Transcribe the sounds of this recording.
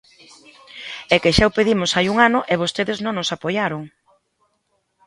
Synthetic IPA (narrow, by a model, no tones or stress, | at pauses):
ɛkeʃaopeðimʊsajuŋanʊʔɛβost̪eðɪznõŋnosapojaɾʊŋ